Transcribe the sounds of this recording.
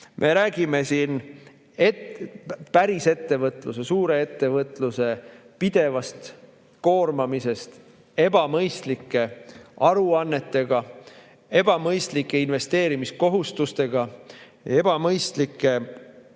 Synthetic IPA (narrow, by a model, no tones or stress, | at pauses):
mʔe̞ɾæːɡ̥ime̞sin | etpæɾise̞t̪ːe̞vɤt̪ˑlusesuːɾe̞e̞t̪ːe̞vɤt̪ːˑluse̞ | pid̪̥e̞vɑst̪ | ko̞ːrmɑmise̞st̪ | e̞b̥ɑmɤjst̪likːˑe̞ɑɾuɑnːe̞t̪ːe̞ɡ̥ɑ | e̞b̥ɑmɤjst̪likːˑe̞inve̞st̪eːɾimisko̞ɦust̪ust̪e̞ɡ̥ɑ | e̞b̥ɑmɤjst̪likːˑe̞